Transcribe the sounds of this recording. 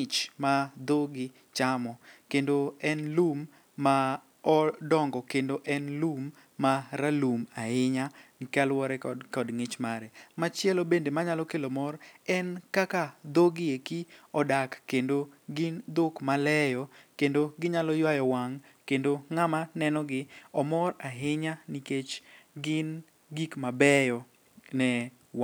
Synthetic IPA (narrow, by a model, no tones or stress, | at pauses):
ɪt͡ʃmad̪oɡɪ | t͡ʃamɔkendoɛnlumː | a | ɔdɔŋɡɔkendoʔɛnlumː | aɾalumaɪɲaŋkalwɔɾɛkɔdŋɪt͡ʃmaɾɛmat͡ʃɪɛlɔbendemaɲalɔkelomɔrɛnkakad̪oɡɪekiɔdakːendoɡɪnd̪okmalɛjɔkendoɡɪɲalɔjwajɔwaŋ | kendoŋamanɛnɔɡɪɔmɔraɦɪɲaniket͡ʃɡɪn | ɡikmabɛjɔ | nɛ | wa